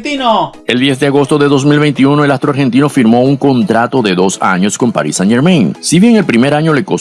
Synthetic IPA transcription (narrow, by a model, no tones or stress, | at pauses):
t̪ino | e̞ld̪je̞z̬d̪eaɣo̞st̪o̞ðe̞ðo̞s̬milβe̞jnt̪iunoe̞last̪ɾoaɾxe̞nt̪̬ino̞fiɾmo̞uŋko̞nt̪ɾat̪o̞ðe̞ðo̞sa̰ɲo̞sko̞mpa̰ɾḭsanʝeɾmẽnsiβje̞ŋe̞lpɾime̞ɾaɲo̞le̞ko